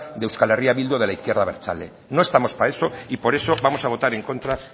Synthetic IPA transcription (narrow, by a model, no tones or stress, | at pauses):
d̪ewskaleriaβild̪oð̞elaiθkjeɾðaβeɾt͡ʃa̰le | no̞e̞st̪amo̞spaeso̞ipo̞ɾe̞so̞βamo̞saβ̞o̞t̪aɾeŋko̞nt̪ɾa